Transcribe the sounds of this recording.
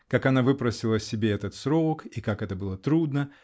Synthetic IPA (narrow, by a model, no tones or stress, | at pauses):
kakɐnavɨpɾəsʲɪlˠəsʲɪbʲeɛt̪ət̪sɾokikakɛt̪əbɨlˠət̪ɾud̪nə